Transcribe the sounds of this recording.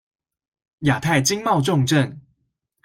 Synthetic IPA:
ja˨˩t̪ʰa˥˩ɪt͡ɕi˦˥ŋmɑ˥˧ʊʈ͡ʂʊ˥˨ŋʈ͡ʂə˥˨n

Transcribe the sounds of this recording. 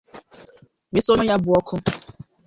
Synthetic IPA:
me˨so˦nʊ˦ja˦bʊ˨ɔ˦kʰʊ˦

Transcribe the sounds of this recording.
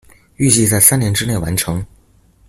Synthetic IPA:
y˥˧t͡ɕi˥˧t͡sa˥˩ɪsa˥njɛ˧˥nʈ͡ʂɻ̩˥ne˥˩ɪwa˧˥nʈ͡ʂʰɤ˧˥ŋ

